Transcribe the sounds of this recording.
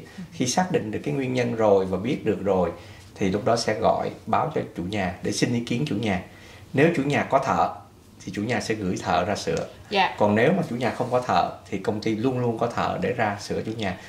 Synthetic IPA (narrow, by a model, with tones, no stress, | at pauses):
xi˧saː˦˥k̚ɗḭ̈˧˨ŋɗɨ˨˩əkːa˨˦ŋwi˧ənɲə˧nzo˨˩jvaː˨˩ɓi˦˥ət̚ɗɨ˨˩ək̚zo˨˩j | t̪ʰi˨˩lʊ˦˥k͡p̚ɗɔ˨˦sɛ̰˧˥ɣɔ̰˧˨jɓaː˨˦wt͡ɕɔ˧t͡ɕṵ˧˩ɲaː˨˩ɗe˧˩sï˧nʔi˧˦ki˨˦ənt͡ɕṵ˧˩ɲaː˨˩ | ne˨˦wt͡ɕṵ˧˩ɲaː˨˩kɔ˨˦t̪ʰə̰ː˧˨ | t̪ʰi˨˩t͡ɕu˧˩ɲaː˨˩sɛ̰˧˥ɣɨ̰˧˩jt̪ʰə̰ː˧˨zaː˧sɨ̰˧˨ə | kɔ˨˩nne˨˦wmaː˨˩t͡ɕṵ˧˩ɲaː˨˩xə˧wŋ͡mkɔ˨˦t̪ʰə̰ː˧˨t̪ʰi˨˩kə˧wŋ͡mt̪i˧lu˧ənlu˧ənkɔ˨˦t̪ʰə̰ː˧˨ɗe˧˩zaː˧sɨ̰˧˩ət͡ɕṵ˧˩˦ɲaː˨˩